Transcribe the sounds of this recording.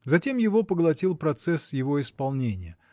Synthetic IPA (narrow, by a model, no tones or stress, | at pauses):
zɐtʲemjɪvo̞pəɡlˠɐtʲilˠpɾɐt̪sɛsjɪvo̞ɪspɐlˠnʲenʲɪjə